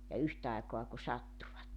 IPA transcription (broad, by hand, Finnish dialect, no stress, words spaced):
jɑ yht ɑikoɑ ku sɑtːuʋɑtːe